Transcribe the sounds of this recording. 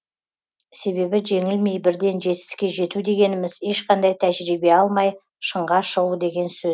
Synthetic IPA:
se̞βe̞bɪʒe̞ŋɪlme̞jbɪɾd̪e̞nʒe̞t̪ɪ̥st̪ɪ̥kʲe̞ʒe̞t̪ud̪e̞ɡʲe̞nɪmɪze̞ʃqɑnd̪ɑjt̪ʰæʒɾibe̞ɑlˠmɑj | ʃəɴʁɑʃəʁud̪e̞ɡʲe̞nsɵ

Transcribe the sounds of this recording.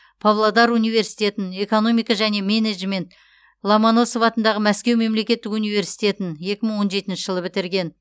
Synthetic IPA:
pʰavlˠad̪ɑɾunijve̞ɾsijt̪e̞t̪ɪne̞ko̞no̞mijkɑʒæne̞meneʒme̞nt̪ | lˠamano̞sovɑt̪ənd̪ɑʁəmæskʲe̞wme̞mle̞kʲe̞t̪ːɪkunijvʲe̞ɾsi̥jt̪ʲe̞t̪ɪnje̞kʲɪməɴwo̞nʒe̞t̪ɪnʃɪʒəlˠəbɪt̪ɪɾɡʲe̞n

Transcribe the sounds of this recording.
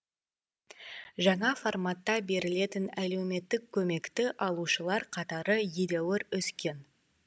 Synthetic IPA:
ʒɑɴɑfo̞rmɑt̪ːɑbe̞ɾɪle̞t̪ɪnælewme̞t̪ːɪkʲʰːɵme̞kt̪ɪʔɑlˠuʃəlˠɑɾqʰɑt̪ɑɾəjed̪ewɪɾʏskʲe̞n

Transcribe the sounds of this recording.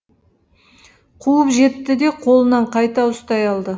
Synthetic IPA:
qʰuəpʒe̞t̪ːɪd̪e̞qʰo̞lˠənɑɴqʰɑjt̪ɑʊst̪ɑjɑlˠd̪ə

